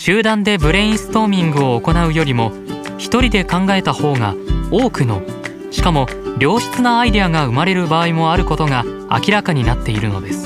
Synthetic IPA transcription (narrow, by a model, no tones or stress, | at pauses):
ɕɨːd̪ãnd̪e̞bɯ̟ɾẽ̞ĩsɨ̥t̪o̞ːmʲĩŋɡɯ̟oːko̞naɯ̟jo̞ɾʲimo̞ | çi̥t̪o̞ɾʲid̪e̞kãŋɡae̞t̪aho̞ːŋa̰oːkɯ̟no̞ | ɕi̥kamo̞ | ɾʲo̞ːɕi̥t͡sɨnaːid̪e̞aŋaɯ̟maɾe̞ɾɯ̟baːimo̞aɾɯ̟ko̞t̪o̞ŋa | a̰kʲiɾakaɲ̟inat̪ːe̞iɾɯ̟no̞d̪e̞sɨ̥